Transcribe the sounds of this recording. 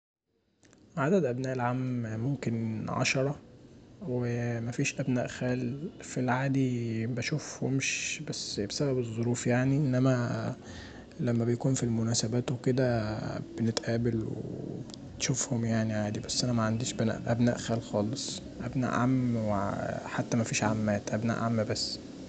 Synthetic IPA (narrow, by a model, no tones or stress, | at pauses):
ʕad̪æd̪ʔæbnæːʔelʕaːmmomkenʕɑ̰ʃɑɾˤɑ | wemæfiːʃʔæbnæ̰ːʔxæːlfilʕaːd̪ibæʃufhomʃbæsːbesæbæbezˤːoɾuːfjaʕniʔenːæmæ | læmːæbejkuːnfilmonæːsæbæːt̪weked̪æbenet̪ʔæːbelwḛeb | t̪ʃofhomjaʕniʕaːd̪ibæsːʔænæmæʕand̪iːʃbænæ̰ʔʔæbnæ̰ːʔxæːlxɑːlesˤ | ʔæbnæ̰ːʔʕamːweħat̪ːæmæfiːʃʕamːæːt̪ʔæbnæ̰ːʔʕamːbæsː